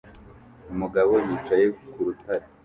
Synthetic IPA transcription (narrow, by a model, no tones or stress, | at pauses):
umuɡaβo̞jiːt͡ʃaje̞kuɾutaɾe